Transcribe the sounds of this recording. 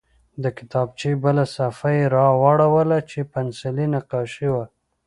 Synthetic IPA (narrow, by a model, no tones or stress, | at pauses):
d̪əkɪ̥t̪ɑb̚t͡ʃebəlasafajeɾɑwaɽawəlat͡ʃepansɪlinaqɑʃiwa